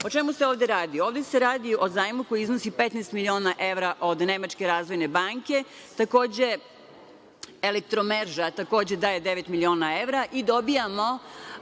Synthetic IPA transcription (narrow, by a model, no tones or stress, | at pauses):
o̞t͡ʃe̞muse̞oʋd̪eɾaːd̪iooːʋd̪ese̞ɾaːd̪iʔo̞zaːjimukojiiznosipet̪nɛst̪milio̞ːnaʔe̞ʋɾaʔo̞d̪ne̞mat͡ʃke̞ɾaːzʋo̞jne̞baŋke̞ | t̪ako̞ːd͡ʑe̞ | elek̚t̪ɾomeɾʒat̪ako̞ːd͡ʑe̞d̪aːjed̪eʋet̪milio̞ːnae̞ʋɾaʔid̪o̞bijamo̞